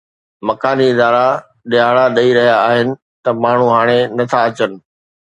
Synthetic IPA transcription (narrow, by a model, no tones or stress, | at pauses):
mɐkaːniɪd̪aːɾa | ɗɪaːɭaɗɐiɾɐɦijaːɦɪnɪ̆ | t̪ɐmaːɳ̤uɦaːɽ̃enɐt̪ʰaɐt͡ɕənɪ̆